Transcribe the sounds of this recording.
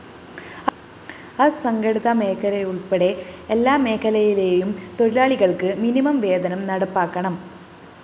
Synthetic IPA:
ɐsɐŋɡɐɽiðɐme̞ːkʰːɐlɐjuɭpeɽe̞elːaːme̞ːkʰːɐlɐjile̞ːjumt̪o̞ɾilaːɭiɣɐɭkɨminimɐmʋe̞ːd̪ɐnɐmnɐɽɐpːaːkːɐɳɐm

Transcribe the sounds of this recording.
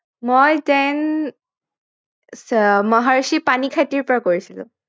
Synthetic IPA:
mojtɛn | smɔɦaɹusipanikʰatiɹpɔɹakoɹisilʊ̰̃

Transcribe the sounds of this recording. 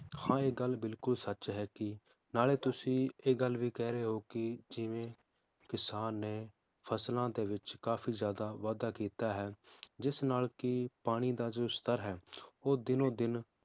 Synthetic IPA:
hãːeːɡəlbɪlkʊlsət͡ʃɦɛːkɪ | naːleːt̪ʊsĩːeːɡəlːʋiːkɛːɾeːɦoːkɪd͡ʒɪʋẽː | kɪsaːnːeː | pʰəslãːd̪eːʋɪt͡ʃkaːpʰiːzjaːd̪aːʋaːd̪aːkiːt̪aːɦɛːd͡ʒɪsnaːlkɪpaːɽ̃iːd̪aːd͡ʒoːst̪əɾɦɛːoːd̪ɪnõːd̪ɪn

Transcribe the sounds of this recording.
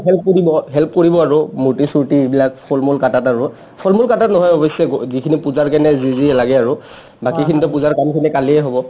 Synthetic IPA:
ɦɛlp̚koɹibɔɦɛlp̚koɹibɔaɹʊmutisuɹtiebilakpʰolmulkatataɹʊ | pʰolmulkatatnɔɦɔjɔbɔsɛzikʰinipuzaɹkɛnɛziziɛlaɡɛaɹʊ | bakikʰinitʊpuzaɹkamkʰinɛkaliɛɦobɔ

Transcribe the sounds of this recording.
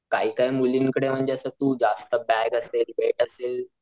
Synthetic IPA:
kaɦiːkaimulinkəɽem̤əɳd͡ʑeəsət̪uːd͡zast̪əbæɡəselʋeʈəseːl

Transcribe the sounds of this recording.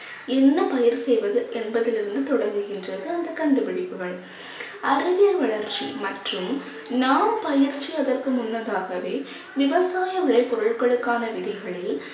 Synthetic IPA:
ɛnːɐpɐjɐɾsɛjʋɐðɯʔɛnbɐðɪlɪɾɯnd̪ɯt̪ɔɽɐɾŋɡɯɣɪndrɐðɯɐnd̪ɐkɐɳɖɯpɪɽɪpːɯɣɐɭ | ɐɾɯʋɪjɐlʋɐɭɐɾt͡ʃːḭmɐʈrɯm | naːmpɐjɪɾt͡ʃːiɐðɐrkɯmʊnːɐðaːɣɐʋeː | ʋɪʋɐsaːjɐʋɪɭɐɪpːɔɾɯɭkɐɭɯkːaːnɐʋɪðɐɣɐɭɪl

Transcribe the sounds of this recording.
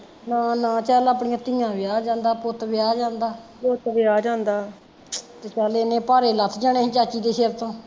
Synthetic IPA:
naːnãːt͡ʃaːlaːpɳijãːt̪ɪːjãːʋɪaːd͡ʒãːnd̪aːpʊt̪ʋɪaːd͡ʒãːnd̪aːpʊt̪ʋɪaːd͡ʒãːnd̪aː | t̪eːt͡ʃaːleːnẽːpaːɾeːlət̪ʰːd͡ʒaːɳẽːɦt͡ʃaːt͡ʃiːd̪eːsɪɾt̪õː

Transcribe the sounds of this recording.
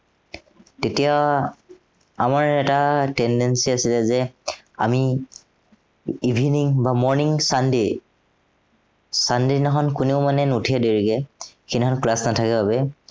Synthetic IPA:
tetija | amaɹɛtatɛndɛnsiasilɛzɛ | a̰mi | ibʱiniŋbamɔɹniŋsandej | sandenaxɔnkuneʊmanɛnutʰiadeɹiɡɛkʰinɔnklasnatʰakɛbabɛ

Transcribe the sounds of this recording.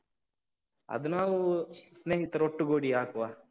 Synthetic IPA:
ɐ̰d̪naːwusneːɦit̪ɐɾoʈːuɡoːɽiaːkuʋaː

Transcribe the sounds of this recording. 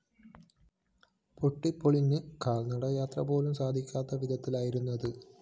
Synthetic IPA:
poʈːipːoɭinːɨkaːɭnɐɽɐjaːt̪rɐpo̞ːlumsaːd̪ʱikʲːaːt̪ːɐʋid̪ɐt̪ːilaːjiɾunːɐðɨ

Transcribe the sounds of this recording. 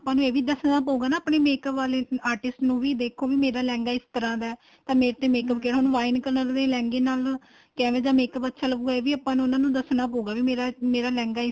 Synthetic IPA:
əpːãːnũːeːʋiːd̪əsnaːpoːuɡaːnãːpɳeːmeːkəpʋaːleːaːɾʈɪsʈnũːʋiːd̪eːkʰoːʋiːmeːɾaːlɛ̃ːŋɡaːɪst̪əɾãːd̪aː | t̪ãːmeːɾt̪ẽːmeːkəpkɛːɽonũːʋaːɪnkəɾnəld̪eːlɛ̃ːŋɡeːnaːl | kɛ̃ːʋẽːd͡ʒ̪aːmeːkəpətːʃʰaːləɡuːɡaeːʋiːapːãːnũːʊnãːnũːd̪əsnaːpoːuːɡaːʋiːmeːɾaːmeːɾaːlɛ̃ːŋɡaːɪ

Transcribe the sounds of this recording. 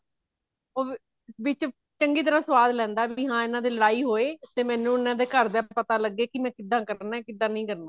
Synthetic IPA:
oː | ʋɪt͡ʃ | t͡ʃəŋɡiːt̪̬əɾaːsəʋaːd̪lɛ̃ːnd̪aːbiːɦãːɪnãːd̪iːləɽaːiːɦoːeːt̪eːmɛ̃ːnũːɪnãːd̪eːkəɾd̪aːpət̪aːləɡːeːkɪmɛ̃ːkɪd̪ːãːkəɾnɛːkɪd̪ːãːnəĩːkəɾnãː

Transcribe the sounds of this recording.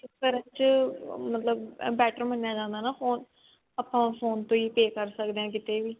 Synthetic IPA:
ɪskəɾə̃ːt͡ʃəmət̪ləbbɛːʈəɾmənːjaːd͡ʒãːnd̪aːnaːfʰoːn | aːpːãːfoːnt̪õːiːpeːkəɾsəkd̪eːãːkɪt̪eːʋiː

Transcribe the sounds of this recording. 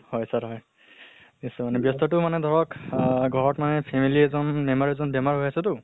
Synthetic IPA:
hɔjsaɹɦɔj | nisɔmanɛbjɔst̪ɔtumanɛd̪ʱɔɹɔkɡʱɔɹɔtmanɛpʰemiliɛzɔnmɛmaɹɛzɔnbjɛmaɹɦojasɛtʊ

